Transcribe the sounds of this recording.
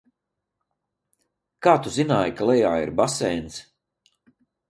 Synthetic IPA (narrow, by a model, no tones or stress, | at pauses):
kaːt̪uzinaːjkalˠɛjaːḭɾbasɛjns